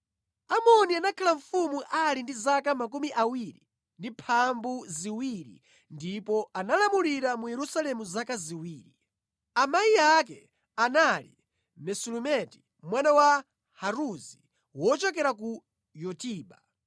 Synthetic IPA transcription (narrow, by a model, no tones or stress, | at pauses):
amɔnianakʰalaɱfumuʔalindizakamakumiʔawiɾḭ | ndipʰambuziwiɾḭ | ndipɔanalamuliɾamujɛɾusalɛmuzakaziwiːɾi | amaiakɛ | analḭ | mɛsulumɛti̥ | mwanawa | haɾuzi | wɔt͡ʃɔkɛɾak̬u | jɔtiːɓa